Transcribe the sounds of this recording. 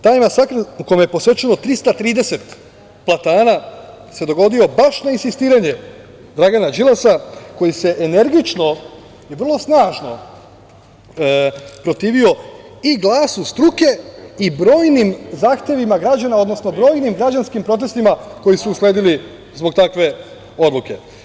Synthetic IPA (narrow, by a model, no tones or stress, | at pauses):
t̪aːjmasakɾukojmje̞posʋe̞t͡ʃeno̞t̪ɾist̪at̪ɾiːd̪e̞se̞t̪ | plˠat̪aːna | se̞d̪o̞ɡo̞d̪io̞baʃnainsist̪iːɾaɲe̞ | d̪ɾaɡanad͡ʒilˠasako̞jise̞ʔene̞ɾɡit͡ʃno̞ | iʋr̩lˠo̞snaːʒno̞ | pɾo̞t̪iːʋio̞ | iɡlˠaːsust̪ɾuke̞ibɾo̞ːjnimzaːxt̪e̞ʋimaɡɾad͡ʑanao̞d̪no̞sno̞bɾo̞ːjnimɡɾad͡ʑanskimpɾo̞t̪̬e̞st̪imako̞jisuːsle̞ːd̪ili | zbo̞ɡ̚t̪akʋe̞ | o̞d̪lˠuke̞